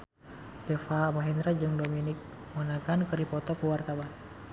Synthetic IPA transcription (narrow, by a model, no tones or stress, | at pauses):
dɛfaːmaɦɛnd̪ɾad͡ʒɨŋdominik̚ | mɔnaɡankɨɾipɔt̪ɔkuwart̪awan